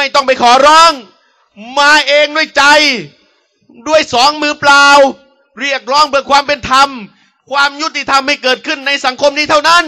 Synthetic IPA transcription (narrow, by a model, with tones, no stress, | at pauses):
ma˥˩jt̪ɔ˥˩ŋp̬a˧jkʰɔː˩˦ɾɔː˦˥˩ŋ | maː˧ʔeː˧ŋdu˥˩əjt͡ɕa˧j | du˥˩əjsɔː˩˦ŋmɯː˧plaː˧w | ɾi˥˩ək̚ɾɔː˦˥˩ŋbɯ˨˩əkʰwaː˧mpe˧nt̪ʰa˧m | kʰwaː˧mju˥t̪ːi˨˩t̪ʰa˧mha˥˩jkɤː˨˩t̪̚kʰɯ˥˩nːa˧jsa˩˦ŋkʰo˧mniː˦˥t̪ʰa˥˩wna˦˥n